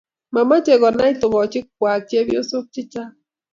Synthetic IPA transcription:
ma˨ma˦t͡ʃe˨ɣɔ˨na˦i˦tʊ˨ŋɔ˨t͡ʃɪ˦k̚wa˨t͡ʃe˦βjo˦so˦t͡ʃɪ˦t͡ʃa˦

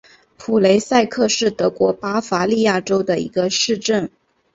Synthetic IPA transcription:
pʰu˨˩le˧˥ɪsa˥˧ɪkʰɤ˥˧ʂɻ̩˥˩t̪ɤ˧˥kwɔ˧˥pa˥fa˧˥li˥˧ja˥˩ʈ͡ʂo˥ʊd̪ə˨ḭ˧˥ɡə˧ʂɻ̩˥˧ʈ͡ʂə˥˩n

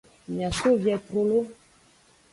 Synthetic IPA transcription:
m˨a˨so˦vjɛ˨tɾo˦lo˦

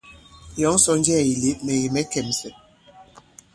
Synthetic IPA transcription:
jɔ˨˦ŋ˦sɔ˨˦n˦d͡ʒɛ˦˨i˨le˨˦mɛ˨je˨mɛ˦kɛ˨msɛ˨

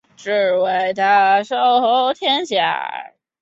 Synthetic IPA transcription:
ʈ͡ʂ̩˥˧˩we˧˩ɪt̪a˧˥ʂo˥˩ʊxo˧˥ʊt̪ʰjɛ˥nɕja̰˨˩

